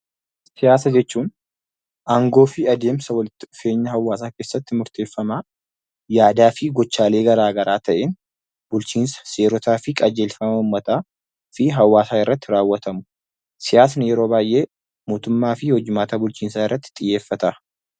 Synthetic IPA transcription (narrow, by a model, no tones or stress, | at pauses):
sɪjaːsɐd͡ʒɛt͡ʃːuːn | ʔaŋɡo̞ːfɪɐd̪e̞ːmsɐwɐlɪt̪ːɪʊfe̞ːɲːɐɦɐwːaːsaːke̞ːsːɐt̪ːɪmʊɾt̪eːfːɐma | jaːd̪aːfɪɡɔt͡ʃːaːle̞ːɡɐɾaːɡɐɾʔaːt̪ɐʔeːn | bʊlt͡ʃiːnsɐ̥se̞ːɾɔt̪aːfɪkʼɐd͡ʒe̞ːlfɐmɐʊmːɐt̪aː | fɪɦɐwːaːsaːɪrːɐt̪ːɪɾaːwːɐt̪ɐmʊ̥ | sɪjaːs̬ɐnɪjɛɾo̞ːbaːjʔe̞ː | moːt̪ʊmːaːfɪhɔd͡ʒːɪmaːt̪aːbʊlt͡ʃiːnsaːɪrːɐt̪ːɪ̥t̪ʼɪjːe̞ːfːɐt̪ɐ